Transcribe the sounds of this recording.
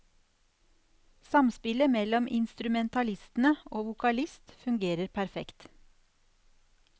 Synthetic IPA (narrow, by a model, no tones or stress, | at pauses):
sɑmspɪləmɛlɔmʔɪ̰nst̪ɾʉmɛnt̪ɑlɪst̪n̩əoːʋʊkɑlɪst̪fʉŋɡeːɾəɾpʰæɾfɛ̰kt̪